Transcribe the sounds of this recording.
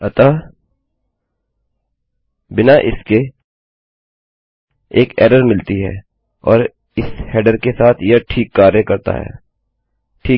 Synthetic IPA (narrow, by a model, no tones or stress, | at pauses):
ɐt̪a | bɪnaʔɪske | eːkɛ̰ːɾəɾmɪlt̪iɦɛ̰ː | ɔːɾ | ɪshɛːɖəɾkesaːt̪ʰjɐʈʰiːkːaːɾjəkɐɾt̪a̰ɦɛ̰ː | ʈʰiː